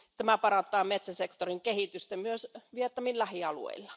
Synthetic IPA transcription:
t̪æmæpɑrɑnt̪ːˑɑːmet̪sæsekt̪oriŋkehit̪yst̪emmyøsʋiet̪nɑmillæhiɑlṵḛilːɑ

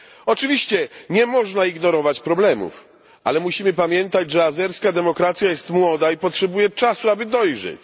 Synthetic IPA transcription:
ɔt͡ʂɘvʲiɕt͡ɕɛɲɛmɔʐnaiɡnɔɾɔvat͡ɕpɾɔblɛmṵf | ʔa̰lɛmuɕimɘpamʲjɛnt̪ad͡ʑʐɛazɛɾskad̪ɛmɔkɾat̪sʲjajɛst̪mwɔd̪aipɔtʂɛbujɛt͡ʂasuabɘd̪ɔjʐɛ̰t͡ɕ

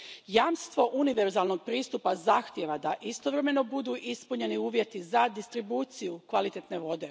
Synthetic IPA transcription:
jamst̪ʋo̞ʔuniʋeɾzalno̞ɡ̚pɾiːst̪upazaxt̪jeʋad̪aʔist̪o̞ʋɾe̞me̞no̞bud̪uʔispuɲe̞niuːʋje̞t̪izad̪ist̪ɾibuːt̪sijukʋalit̪et̪ne̞ʋo̞d̪e̞

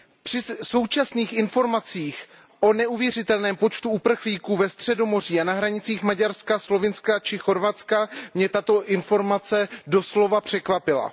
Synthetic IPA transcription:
pr̥ɪso̞wt͡ʃasniːxɪnfo̞ɾmat͡siːx | ʔo̞nɛuvjɛr̝ɪt̪ɛlnɛːmpo̞t͡ʃt̪uupr̩xliːkuːvɛst̪r̝̥ɛdo̞mo̞r̝iːanaɦɾaɲɪt͡siːxmaɟaɾskaslo̞vɪnskat͡ʃɪxo̞ɾvat̪t͡skamɲɛt̪at̪o̞ʔɪnfo̞ɾmat͡sɛdo̞slo̞vapr̝̥ɛkvapɪla̰

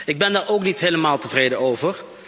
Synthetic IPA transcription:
ɪɡ̚bɛndaːɹowknitɦejləmaːlˠtəvrejdəowvər

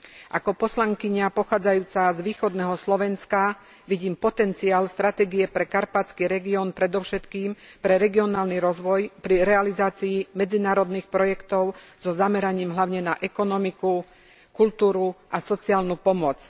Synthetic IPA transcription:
ʔakɔpɔslaŋkiɲapɔxaːd͡zajuːt͡sazʋiːxɔd̪nɛɦɔslɔʋɛnska | ʋiɟiːmpɔt̪ɛnt͡siaːlst̪ɾat̪ɛːɡiɛpɾɛkaɾpat͡skiːɾɛɡiɔːnpɾɛd̪ɔʊʃɛt̪kiːmpɾɛɾɛɡiɔnaːlniɾɔzʋɔjpɾiɾɛalizaːt͡siːmɛd͡zinaːɾɔd̪niːxpɾɔjɛkt̪ɔʊ | z̥ɔzamɛɾaɲiːmɦlaʊɲɛnaʔɛkɔnɔmiku | kult̪uːɾuʔasɔt͡siaːlnupɔmɔt͡s

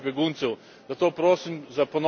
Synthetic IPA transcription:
bʲjɛɡuːnt̪sɛw | d̪at̪oːpɾoːsimzapon

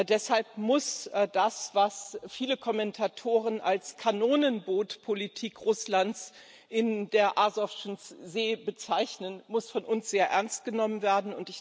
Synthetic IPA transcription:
dɛshalp̚mʊsdasv̥asfiːləkʰɔmɛntʰatʰoːʁ̞ənalskʰanoːnənboːtpʰolitʰiːkʁʊslants | ʔɪndeːɐʔazɔfʃnszeːbət͡saɪçnənmʊsfɔnʔʊnsz̥eːɐʔɛɐnst̚ɡ̥ənɔmənveːɐdn̩ʊntɪç

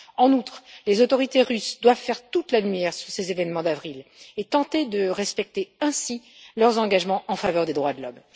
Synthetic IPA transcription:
ɑ̃nut̪χlezot̪ɔʁit̪eʁysd̪wav̥fɛʁt̪ut̪lalymjɛʁsyʁsezevɛnmɑ̃d̪avʁilet̪ɑ̃t̪ed̪əʁɛspɛk̚t̪eɛ̃silœʁzɑ̃ɡaʒmɑ̃ʔɑ̃favœʁd̪ed̪ʁwad̪lɔm

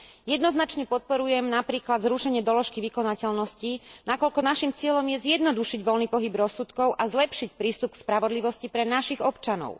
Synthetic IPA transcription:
jɛd̪nɔznat͡ʃɲɛpɔt̪̚pɔɾujɛmnapɾiːklad̪zɾuʃɛɲɪɛd̪ɔlɔʃkiʋikɔnacɛlnɔscinakɔlkɔnaʃimt͡sɪɛʎɔmjɛzjɛd̪nɔd̪uʃiɟʋɔlniːpɔɦibɾɔsːut̪kɔʊʔazlɛpʃicpɾiːst̪up̚kspɾaʋɔd̪liʋɔscipɾɛnaʃiɣɔpt͡ʃanɔ̰ʊ

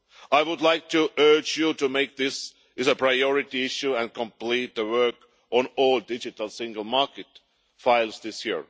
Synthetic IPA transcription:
aɪwʊdˡlaɪk̚tʰuʔɜ˞d͡ʒjutɨmeɪk̚ðɪs | ɨzəpʰɹ̥aɪɔɹɪtiɪʃuæ̃nkʰə̃mpl̥it̪̚ðəwɜ˞k | ʔɔ̃nɔlˠdɪd͡ʒɨtl̩ˠsɪ̃ŋɡəl̩ˠmɑɹkɨt | faɪlˠzðɪsjiɹ

